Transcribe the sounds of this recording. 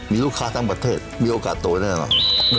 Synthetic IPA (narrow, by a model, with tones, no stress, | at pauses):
mi˧˨lu˥kʰla˧ht̪a˧ŋprɑ˩t̪ʰeː˧t̪̚mi˧ənʔo˧˩ka̰˩t̪̚ːoː˧˨j̚na˧˩a˨nɔ̰˩ŋ